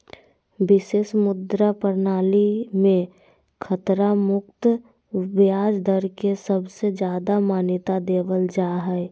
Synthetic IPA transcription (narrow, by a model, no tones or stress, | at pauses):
bɪseːʃmʊd̪ɾapəɾnaːlimẽ | kʰət̪ɾamʊkt̪ | bjaːd͡ʒd̪ʱəɾkesəbsed͡ʒjaːd̪amaːnɪt̪ad̪eːʋəld͡ʒaːɦɛ